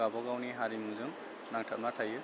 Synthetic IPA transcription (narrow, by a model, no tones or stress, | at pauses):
abɔɡawniɦaɾimuzɯŋ | naŋtʰat̚matʰajɯ